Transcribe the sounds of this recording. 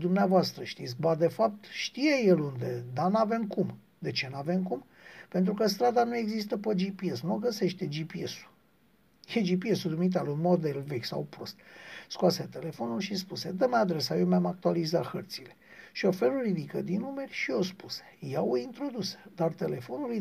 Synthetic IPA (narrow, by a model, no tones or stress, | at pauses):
d̪umneavoast̪ɾəʃt̪it̪sʲbad̪e̞fap̚t̪ʃt̪ijejelund̪ed̪anave̞mkum | d̪e̞t͡ʃe̞nave̞mkum | pe̞nt̪ɾukəst̪ɾad̪anue̞ɡzis̬t̪əpəd͡ʒipie̞snuoɡəse̞ʃt̪ed͡ʒipiesu̥ | jed͡ʒipie̞sud̪umiit̪̬alunmo̞d̪e̞lvekʲsa̰wpɾo̞st̪̚skuwaset̪e̞le̞fo̞nulʃispuse̞d̪əmad̪ɾe̞sajewmeamak̚t̪ualizat̪xərt̪sile̞ | ʃiofe̞lurid̪ikəd̪inume̞rʲʃio̞spuse̥jaoint̪ɾo̞d̪usd̪art̪e̞le̞fo̞nuli